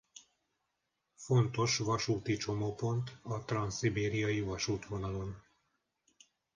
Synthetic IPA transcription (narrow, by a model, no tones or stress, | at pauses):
fo̞nt̪o̞ʃʋɒʃuːt̪it͡ʃo̞moːpo̞nt̪ɒt̪rɒnsibeːɾijɒjivɒʃuːt̪ʋo̞nɒlo̞n